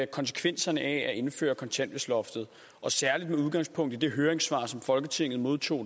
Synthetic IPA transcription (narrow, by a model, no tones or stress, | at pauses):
kʰɒ̽ns̬ə̥kʰʋen̰sɐnəʔɛæe̝nfø̰ːɐkʰɒ̽nt͡sʰen̰d̥ʋe̝slɒ̽fd̥ð̞̩ˠ | ʔɒ̽sæɐlid̥meuðˠɡ̥ɑ̈ŋspʰɔ̽ŋ̰d̥ð̩d̥eɦøːɐʁeŋsʋɑ̰̈sɒ̽mfɒ̽lɡ̥ət͡sʰe̝ŋ̰ð̞̩ˠmo̝ð̞ˠt͡sʰo̝̰ː